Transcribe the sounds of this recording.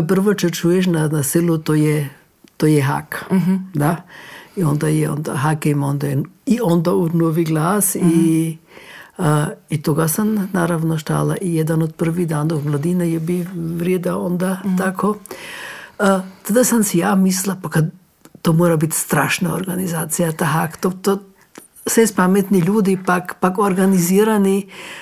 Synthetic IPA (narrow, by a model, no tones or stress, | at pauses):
p̬r̩ʋot͡ʃot͡ʃujeʃ̬nanasilut̪ojɛ | t̪ojɛɦa̰kd̪aiond̪ajɛo̰nd̪a̰ɦakeimond̪ajeiond̪aunoːʋiɡlˠaːsi | it̪oɡasamnaːɾaʋnoʃt̪a̰ːlaʔijed̪anod̪̚pr̩ʋid̪aːnd̪oɡmlˠad̪inajebiʋɾjed̪aond̪aakʰo | t̪ad̪asamsijaːmislˠapakad̪ | t̪ːomoːɾabit̪st̪ɾaːʃnao̰ɾɡanizaːt̪sijat̪aɦakt̪ot̪o | sɛspamet̪niʎuːd̪ipakpakoɾɡaniziːɾani